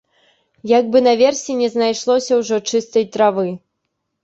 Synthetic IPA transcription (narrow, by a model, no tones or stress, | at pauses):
jaɡ̚bɨnɐvʲɛrsʲinʲɛznajʂlˠɔsʲɐwʐɔt͡ʂɨst̪ɐjt̪ɾavɨ